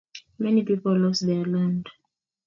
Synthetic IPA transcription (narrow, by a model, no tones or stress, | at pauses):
mɛnipipɔllɔsðɛlãnd